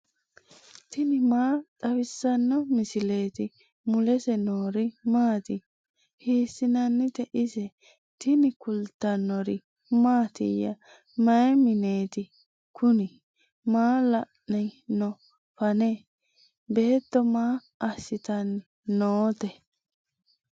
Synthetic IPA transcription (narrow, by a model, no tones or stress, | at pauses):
t̪ɪnɪmaːɗ̥ɐwɪsːɐnːɔmɪsɪle̞ːt̪ɪ | mʊlɛsɛnoːɾɪmaːt̪ɪ | hiːsːɪnɐnːɪt̪ɛʔɪsɛ | t̪ɪnɪkʊlt̪ːɐnːɔɾɪ | maːt̪ɪ̰jɐ̰ | mɐjɛmɪneːt̪ɪ | kʰʊnɪ | maːlɐʔnɛnɔ | fɐneː | be̞ːt̪ːɔmaː | ɐsːɪt̪ɐnːɪ | noːt̪ɛ